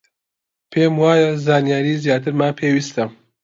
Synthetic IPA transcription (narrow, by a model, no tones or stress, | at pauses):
pʰeːmwaːjazaːnijaːɾiːzjaːt̪̬ɨɾmaːpʰeːwist̪ɐ